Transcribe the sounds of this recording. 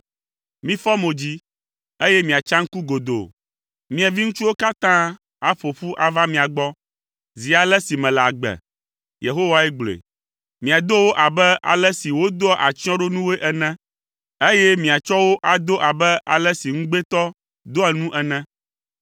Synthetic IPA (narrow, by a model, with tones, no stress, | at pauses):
mĩ˦fɔ˦mo˨d͡ʑi˦ | e˦jɛ˦mĩ˨a˨t͡ʃã˦ŋ̩˦ku˦ɡo˨d̪o̰˨ | mĩ˦a˨vi˦ŋũ˦t͡ʃu˦wo˦ka˦t̪ã˦ | a˨fo˨ɸu˦ʔa˨va˦mĩ˨a˨ɡ͡bɔ˦ | zi˨a˨lɛ˦si˨mɛ̃˨la˨ɡ͡bɛ̰˨ | je˨ɦo˦wa˦ɛ˦ɡ͡blḛ˨ | mĩ˨a˨d̪o˦wo˦ʔa˨bɛ˦ʔa̰˨lɛ˦si˨wo˦d̪o˦ɔ˦ʔa˨t͡ɕi˦ɔ̃˦ɖo˦nũ˦we˦ʔɛ˦nɛ̃˦ | e˦jɛ˦mĩ˨a˨t͡ʃɔ˦wo˦ʔa˨d̪o˦ʔa˨bɛ˦ʔa̰˨lɛ˦si˨ŋ̩̃˦ɡ͡be˦t̪ɔ˦ | d̪o˦a˨nũ˦ʔɛ˦nɛ̃˦